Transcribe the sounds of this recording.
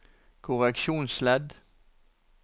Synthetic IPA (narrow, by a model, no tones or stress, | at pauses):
kʰʊʁɛkʃuːnslɛd̪